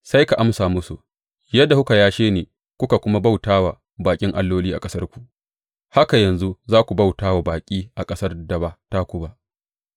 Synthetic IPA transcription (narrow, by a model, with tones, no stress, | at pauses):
sa˦jka˨ʔa˦msaː˨mʊ˦su˨ʔ | jɐ˦dːa˨hʊ˦ka˨jaː˦ʃeː˦neː˨ | kʷʊ˦ka˨kʷʊ˦ma˦ba˦˨wtaː˦wa˨ | baː˨kʲʼɪ˦ŋʔa˦lːoː˦liː˦ʔa̰˨kʼɐ˦sɐ˦rkʷu˨ʔ | ha˦ka˨jɐ˨nzu˦zaː˦kʷu˨ba˦˨wtaː˦wa˨baː˨kʲʼiː˦ʔa˨kʼɐ˦sɐ˦rdɐ˨ba˦ta˦kʷʊ˦ba˦ʔ